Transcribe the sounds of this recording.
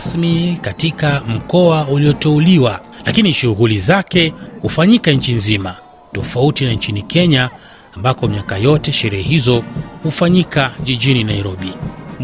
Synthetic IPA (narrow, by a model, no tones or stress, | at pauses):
smikatikam̩kɔauliɔtɛuliwa | lakiniʃuɣulizakɛhufaɲikaɲ̩t͡ʃinzima | tɔfautinaɲt͡ʃinikʰɛɲaː | mbakɔmiakajɔtɛʃɛɾɛhɛhizɔhufaɲikaʄiʄininaiɾɔɓi